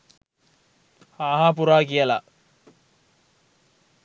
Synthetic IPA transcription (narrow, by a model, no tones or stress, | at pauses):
haːɦap̬uɾaːkijəla̰